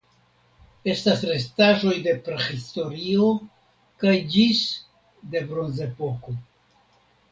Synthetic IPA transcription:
e̞stasɾe̞staʒo̞jde̞pɾexisto̞ɾio̞ | kajd͡ʒis | de̞bɾo̞nze̞po̞ko̞

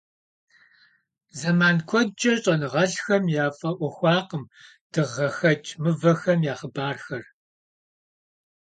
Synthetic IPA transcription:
zɐmaːnkʷʰɔt͡ʃʼɐɕʼɐnɨʁɐɮxɐmjaːfʼɐʔʷɔxʷɑːqəm | d̥ɨʁɐxɐt͡ʃʼmɨvɐxɐmjaːχəbaːrxɐr

